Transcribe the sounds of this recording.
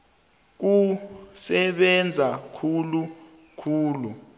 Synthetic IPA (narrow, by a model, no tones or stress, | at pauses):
k̬usɛɓɛnd͡zʱakʰulu | kʰuːlu